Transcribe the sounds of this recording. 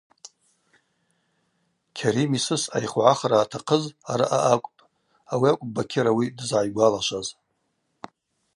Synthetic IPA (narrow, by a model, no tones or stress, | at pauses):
kʲʰaɾimisɨsa̰jχʷʕaχaɾaːtʰaqʰəzaɾaʔaʔakʷʼpʼ | awiakʷʼbakʲʰɪɾawidɨzʕajɡʷalaʃʷaz